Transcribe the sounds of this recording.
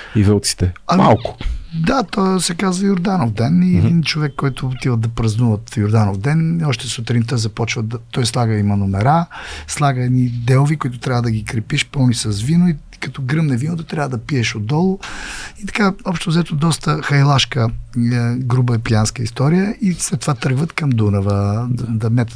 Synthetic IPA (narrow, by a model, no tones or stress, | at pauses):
ivəlˠt̪si̥t̪ɛɐma̰lˠkʊ̥d̪at̪ɔsɛkazvəjʊɾd̪anofd̪ɛniɛd̪int͡ʃovɛkːɔjt̪ʊːt̪ivəd̪ɐpɾɐznuvət̪jʊɾd̪anofd̪ɛnɔʃt̪ɛsot̪ɾint̪ɔjzɐpɔt͡ʃvəd̪ɐt̪ɔjslˠaɡəimɐnomɛɾaslˠaɡəɛd̪nid̪ɛlovikoit̪ʊt̪ɾʲavəd̪ɐɡikɾɛpiʃpɤlˠnisɐsvinoi | kɐt̪ɔɡɾəmnɛvinot̪ʊt̪ɾʲjavəd̪ɐpiɛʃod̪ːɔlˠʊit̪ɐ̥kaɔpʃt̪ozɛt̪od̪ɔst̪əxɐjlˠaʃkə | ɡɾub̬əɛpianskəist̪ɔɾijəislɛt̪ːovat̪ɤɾɡvət̪kɐmd̪unɐvəd̪ɐmɛt̪